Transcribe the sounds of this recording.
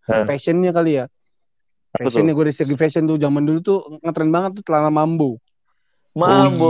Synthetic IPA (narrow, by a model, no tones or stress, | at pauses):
fɛsənɲakalija | fɛsənjaɡuadisəɡifɛsənt̪ud͡ʒamandulut̪uŋət̪ɾɛnbaŋət̪̚ːut̪əlalamambo | mambo